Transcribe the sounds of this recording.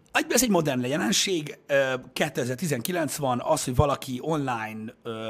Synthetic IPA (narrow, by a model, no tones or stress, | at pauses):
ɛɟɛzɛɟmo̞d̪ɛrnlɛɟɛlɛnʃeːɡøkɛt̪ːøɛzɛrt̪izɛŋkilɛnt̪svɒnɒsho̞ɟvɒlɒkio̞nlaːjnø